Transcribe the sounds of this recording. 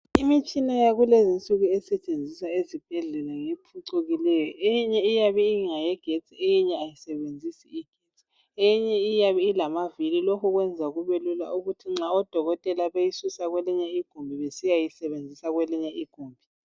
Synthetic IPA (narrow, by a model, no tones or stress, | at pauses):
imit͡ʃʼinajaɣulezint͡sʼuɣuɛsɛt͡ʃʼend͡zʱisaezib̥ʱɛɮɛlaŋepʰuǀuɣilɛjɔʔejiɲɛijaβiiŋajɛɡ̥ʱet͡sʼiejiɲɛajisɛβend͡zʱisiiɡ̥ʱet͡sʼi̥ | ejiɲɛijaβiilamavililokʰuɣwɛnd͡zʱaɣuβelula̰ʔuɣutʰiŋ͡ǁaɔd̥ʱɔɣɔtʼɛlaβejisusaɣwɛliɲɛiɡ̥ʱombʱiβesijajisɛβend͡zʱisaɣwɛliɲɛʔiɡ̥ʱuːmbʱi